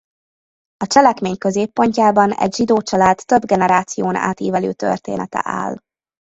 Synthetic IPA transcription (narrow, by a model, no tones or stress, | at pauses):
ɒt͡ʃɛlɛkmeːɲkøzeːpːo̞ɲcaːbɒnɛ̰ɟʒid̪oːt͡ʃɒlaːt̪ːøbɡɛnɛɾaːt̪sijoːna̰ːt̪iːvɛlø̰ːt̪ø̰rt̪ḛːnɛt̪ɛ̰ʔa̰ːl